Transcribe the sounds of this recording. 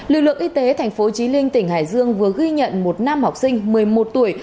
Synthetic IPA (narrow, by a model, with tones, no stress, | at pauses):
lɨ˨˩k̚lɨ̰˧˨əŋʔi˧t̪e˨˦t̪ʰa˨˩jŋ̟fo˨˦t͡ɕi˨˦lï˧ŋ̟t̪ï˧˩ŋ̟ha̰ː˧˩jzɨ˧əŋvɨ˨˩əɣi˧ɲə̰˧˨nmo˨˩t̚na˧mha˨˩wk͡p̚sï˧ŋ̟mɨ˨˩əjmo˨˩t̚t̪u˧˩əj